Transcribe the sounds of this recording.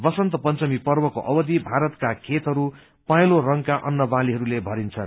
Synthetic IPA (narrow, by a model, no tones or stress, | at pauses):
bʌsʌnt̪ʌpʌnt͡sʌmipʌrbʌkoʔʌbʌd̪ibʱaɾʌt̪kakʰet̪ɦʌɾu | pajlorʌŋkaʔʌnːʌbaliɦʌɾulebʱʌɾint͡sʰʌn